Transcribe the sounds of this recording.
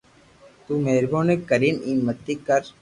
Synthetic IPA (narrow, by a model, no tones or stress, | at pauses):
t̪uːmeːɾbõːnekəɾiːniːmət̪ːiːkəɾ